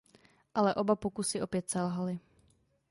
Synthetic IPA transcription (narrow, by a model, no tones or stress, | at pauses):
ʔalɛʔobapokusɪʔo̞pjɛt̪sɛlɦalɪ